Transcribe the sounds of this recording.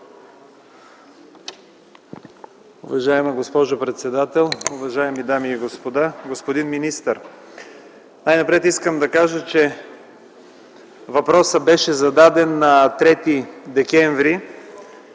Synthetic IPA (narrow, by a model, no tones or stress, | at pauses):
ʊvɐʒaɛmɐɡospɔʒopɾɛt̪sɛd̪at̪ɛlˠʊvɐʒaɛmid̪amiːɡospod̪aɡospod̪inminist̪əɾ | najnɐpɾɛt̪iskəmd̪ɐkaʒət͡ʃɛ | vɐpɾɔsəbɛʃɛzɐd̪ad̪ɛnːɐt̪ɾɛt̪id̪ɛkɛɱvɾi